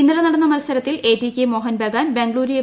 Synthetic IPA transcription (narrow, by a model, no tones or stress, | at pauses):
inːɐɾɐnɐɽɐnːɐmɐlɐsɐɾɐt̪ːile̞ːʈːikʲːemo̞ːɦɐnbeɡaːnbeŋɡɐɭuːɾije